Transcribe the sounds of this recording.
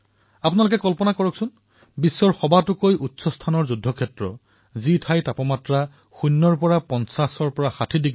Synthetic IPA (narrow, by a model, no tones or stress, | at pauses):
apʊnalʊk̬ɛkɔlpɔnakɔɹɔksʊn | bisːɔɹxɔbatʊkojʔutːsɔstʰanɔɹzudʱːɔkʰɛtɹɔ̰ | zitʰajtapɔmatɹa | xunːɔɹpɔɹapɔnsasɔɹpɔɹaxatʰidiɡ